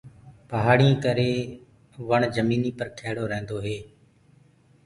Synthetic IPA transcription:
pəɦaːɽɪjãːkəɾeː | ʋəɳd͡ʒəmiːniːpəɾkʰeːɽoːɾɛ̃ːnd̪oːɦeː

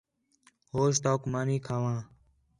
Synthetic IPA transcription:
hoːst̪aːkmaːniːkʰaːʋãː

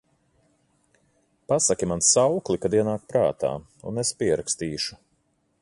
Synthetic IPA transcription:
pasakʲimansawklˠikad̪iɛnaːk̚pɾa̰ːt̪a̰ː | ṵnespiɛɾakst̪iːʃu̥

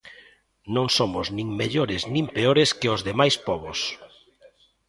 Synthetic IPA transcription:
nõŋsomʊznĩŋmeʎoɾɪznĩmpeoɾɪskɪʊzðemajspɔβos

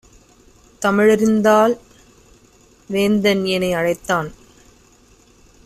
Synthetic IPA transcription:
t̪ɐmɪɻɪɾɯnd̪aːl | ʋeːnd̪ɐnjɐnɐɪɐɻɐɪt̪ːaːn

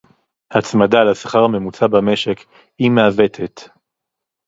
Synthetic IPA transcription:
hat͡smad̪alasḁχaʁme̞mut͡sabame̞ʃe̞k | himeave̞t̪ʰet

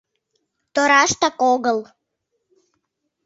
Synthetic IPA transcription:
t̪oɾɑʃt̪ɑkoɣəl

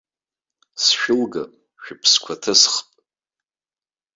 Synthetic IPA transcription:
sʃᶣʊlɡa | ʃᶣʊpʰskʷʰatʰɨsχpʼ

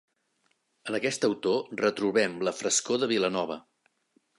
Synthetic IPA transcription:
ənəkɛst̪əwt̪orət̪ɾuβɛmləfɾəskoðəβilənɔβ̞ə

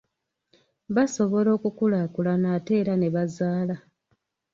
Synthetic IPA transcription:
βaso̞βo̞lo̞ːkukulaːkulanaːte̞ːɾane̞βazaːla

